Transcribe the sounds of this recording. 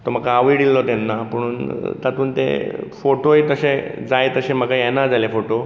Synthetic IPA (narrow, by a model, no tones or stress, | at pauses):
t̪ɔm̤əkaːʋiɽilːɔt̪ɛnːapəɽ̃uːnt̪at̪uːnt̪ḛfoʈojt̪əɕẽd͡zajt̪əɕẽm̤əɡajɛnad͡zalefoʈo